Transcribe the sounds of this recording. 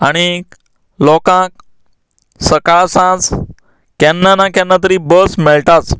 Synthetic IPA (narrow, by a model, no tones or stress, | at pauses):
aɽ̃i | lɔkãk̚ | səkaɭsãt͡s | kɛnːanakjãnːat̪̬əɾibəsmɛɭʈat͡s